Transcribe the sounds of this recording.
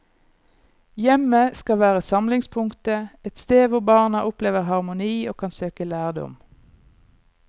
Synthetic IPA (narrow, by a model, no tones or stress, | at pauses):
jɛməskɑʋæːʁəsɑmlɪŋspʰʊŋkt̪əɛt̪st̪eːʋʊbɑːʁnɑʔʊpleːʋəʁhɑʁmʊniːoːkʰɑnsøːkəlæːʁd̪ɔ̰m